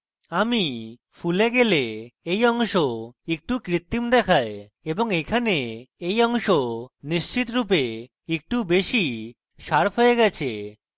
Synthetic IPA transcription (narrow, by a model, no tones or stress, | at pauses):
ami | fuleɡeleejɔŋʃoek̚ʈukɾit̪ːimd̪ɛkʰae | eboŋekʰaneejɔŋʃoniʃt͡ɕit̪ɾup̬e | ek̚ʈubeʃi | ʃaɾpʰɦoeɡɛt͡ɕʰe